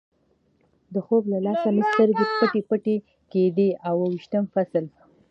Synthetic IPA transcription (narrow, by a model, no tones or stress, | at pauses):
d̪əxoblalɑsanəst̪əɾɡepəʈepəʈe | ked̪eawəwiʃt̪əmfasəl